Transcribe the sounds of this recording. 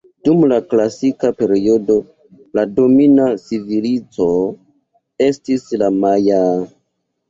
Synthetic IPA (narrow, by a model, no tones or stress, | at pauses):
d̥umlaklasikape̞ɾio̞do̞ | lado̞minasivilit͡so̞ | e̞stislamaja